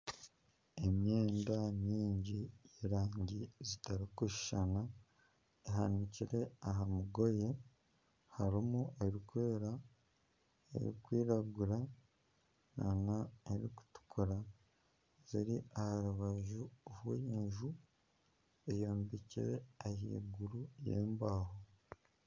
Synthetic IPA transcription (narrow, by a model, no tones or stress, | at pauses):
emɲe̞ːndaɲiːɲɟiiɾaːɲɟizitaɾikuʃi̥ʃana | eɦaniciɾe̞aɦamuɡo̞je̞ | haɾimueiɾikuwe̞ːɾa | ḛɾḭkwiːɾaɡuɾa | na̰naeɾiku̥tu̥kʰuɾa | ziɾiahaɾuβaʒuːβwujeːɲʒu | ejoːmbicḭɾeahḭːɡuɾujḛːmbaːho